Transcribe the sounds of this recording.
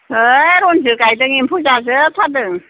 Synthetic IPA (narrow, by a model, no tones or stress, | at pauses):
ɾɔnzɯkajdɯŋimpʰuzazɯtʰadɯŋ